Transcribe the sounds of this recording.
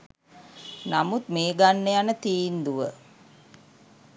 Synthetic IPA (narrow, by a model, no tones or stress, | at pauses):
namut̪meːɡanːejanət̪iːnd̪uʋə